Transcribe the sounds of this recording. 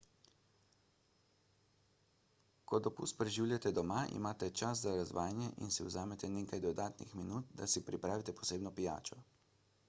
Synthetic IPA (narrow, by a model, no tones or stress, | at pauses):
kɔd̪ɔpṵst̪pɾɛʒiwljat̪ɛd̪ɔmaʔḭmaːt̪ɛt͡ʃas̬zaɾazʋaːjnjɛʔḭnsiwzaːmɛt̪ɛneːkajd̪ɔd̪aːt̪nḭxminuːt̪d̪asipɾipɾaːʋit̪ɛpɔ̥seːbnɔpija̰ːt͡ʃɔ